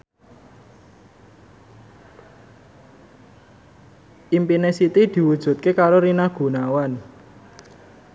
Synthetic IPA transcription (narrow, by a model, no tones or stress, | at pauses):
ʔimpinesit̪id̪̥i̤wud̥ʒ̥ṳt̪̚kekaɾoɾinahɡ̥ṳnawan